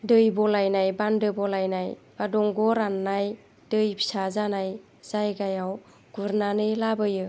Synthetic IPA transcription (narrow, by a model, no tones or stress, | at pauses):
dɯjbɔlajnajbandɯbɔlajnajbadɔŋɡɔɾanːaj | d̥ɯjbʰi̥sazanaj | z̥ajɡajaw | ɡ̥uɾnanɯjlabɯjɯ